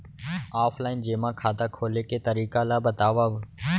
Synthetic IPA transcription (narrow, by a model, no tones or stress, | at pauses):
aːfʰlaːɪnd͡ʒeːmãːkʰaːd̪aːkʰoːleːkeːt̪əɾiːkaːlaːbət̪aːʋaːb